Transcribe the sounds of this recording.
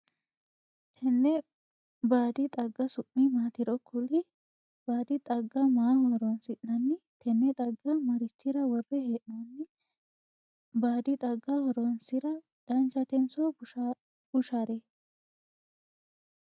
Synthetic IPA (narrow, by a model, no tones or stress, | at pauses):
t̪ʰɛnːɛ | baːd̪ɪt̪ʼɐɡːɐsʊpʼːɪmaːt̪ɪɾɔkʰːʊlɪ | b̥aːd̪ɪt̪ʼɐɡːɐmaːhɔɾɔnsɪʔnɐnːɪt̪ʰɛnːɛt̪ʼɐɡːɐmɐɾɪt͡ʃːɪɾɐwɔrːɛheːʔnɐnːɪ | baːd̪ɪt̪ʼɐɡːɐhɔɾɔnsɪɾɐ | d̪̥ɐnt͡ʃːɐt̪ɛnso | b̥ʊʃaɾɛ